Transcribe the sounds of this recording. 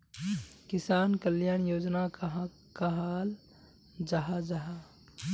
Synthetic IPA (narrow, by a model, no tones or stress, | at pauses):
kɪsaːnkəljaːɽ̃joːd͡ʒnakaɦ | kaɦaːl | d͡ʒaɦad͡ʒaɦa